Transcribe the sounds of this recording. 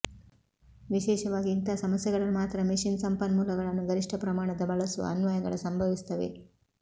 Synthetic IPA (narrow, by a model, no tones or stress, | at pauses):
ʋiʃɛːʃɐʋaːɡiint̪ɐsɐmɐsjɛɡɐɭɐlmaːt̪ɾɐmiʂinsɐmpɐnmuːlɐɡɐɭɐnːuɡɐɾiʂʈʰɐpɾɐmaːɳɐd̪ɐbɐɭɐsṵɐ̰nʋɐjɐɡɐ̰ɭɐsɐmbʱɐʋist̪ɐʋe̞̰